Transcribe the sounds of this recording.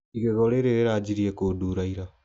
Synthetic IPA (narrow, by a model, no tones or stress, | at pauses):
iɣɛɣɔɾeɾeɾeɾaːd͡ʑiɾiɛkoːduɾaiɾa